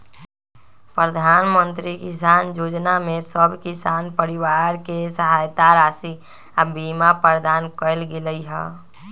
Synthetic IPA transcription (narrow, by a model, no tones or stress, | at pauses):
pɾəd̪ʱaːnmənt̪ɾikisaːnjoːd͡ʒnamesəbʱkisaːnpəɾɪwaɾkesəɦaːjt̪aɾaːsi | abimapəɾd̪aːnkəɪlɡeləiɦɛ